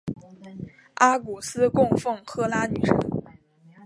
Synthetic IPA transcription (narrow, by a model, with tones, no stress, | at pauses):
a˥ku˨˩sɹ̩˥kʊ˥˧ŋfɤ˥˩ŋxɤ˥la˥ny̰˨˩ʂə̰˧˥